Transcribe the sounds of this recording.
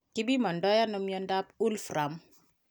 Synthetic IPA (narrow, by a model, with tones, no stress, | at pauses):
ki˦bi˦ma˨ndɔ˦ja˦nɔ˦mjɔ˦nda˦pu˦lfɾa˨m